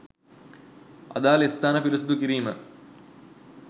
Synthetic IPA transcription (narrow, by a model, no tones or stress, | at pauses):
ɐ̰d̪aːlist̪aːnəpilisud̪ukiɾiːmə